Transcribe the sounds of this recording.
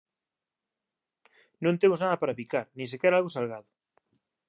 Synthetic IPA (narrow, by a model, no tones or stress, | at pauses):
nõnt̪emʊznaðɐpaɾapikaɾnĩŋs̬ekɛɾalɣosalɣaðʊ